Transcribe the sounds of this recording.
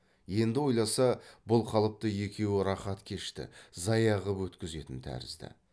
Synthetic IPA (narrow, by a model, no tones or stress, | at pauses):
je̞nd̪ɪwo̞jlˠɑsɑbʊlˠqʰɑlˠəp̚t̪əje̞kʲe̞wɪɾɑχɑt̪kʲʰe̞ʃt̪ɪ̰zɑjɑʁəpwɵt̪kʲɪze̞t̪ɪnt̪ʰæ̰ɾɪ̰zd̪ɪ̰